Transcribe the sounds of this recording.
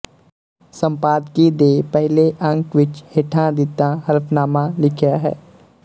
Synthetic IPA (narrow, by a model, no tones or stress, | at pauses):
sə̃mpaːd̪kid̪eːpɛɦleʔə̃ŋkʋɪt͡ʃheʈʰãd̪ɪt̪ãɦɐɾəpnaːmãlɪkʰjaɦɛ̰ː